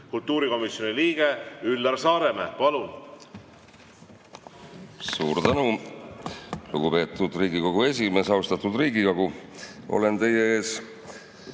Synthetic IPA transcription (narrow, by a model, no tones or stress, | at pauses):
kult̪ːuːɾiko̞misjoniliːɡ̥eylːɑrsɑːɾemepɑlun | suːrt̪ænu | lṵɡ̥upe̞ːt̪ˑːud̪̥riːɡiko̞ɡ̥ue̞s̬ʲime̞sɑwst̪ɑt̪ud̪riːɡiko̞ɡu | ʔo̞̰le̞nt̪e̞je̞e̞ːs